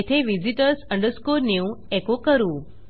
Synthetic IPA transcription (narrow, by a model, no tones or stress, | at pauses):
et̪ʰeʋid͡ʒiʈəɾsə̃ɳɖəɾskuɾniũekokəɾũ